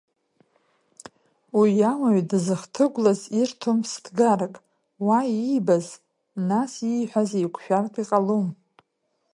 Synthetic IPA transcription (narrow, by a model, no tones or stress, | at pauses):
wijamaɥdzɨχtʰɨɡʷlazirtʰumsdʰɡarakʼ | waibaz | nasijħʷᶣazejkʷʰʃᶣartʼiqʼalom